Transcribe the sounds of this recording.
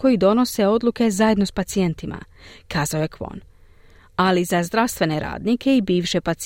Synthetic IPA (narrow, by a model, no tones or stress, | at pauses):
ko̞jid̪o̞no̞se̞o̞d̪lˠuke̞zaje̞d̪no̞spat̪sie̞nt̪imʔa̰kʰaːzao̞je̞kʋo̰n | alizazd̪ɾaʋst̪ʋe̞ne̞ɾa̰ːd̪nikʰe̞ibiːʋʃe̞pat̪s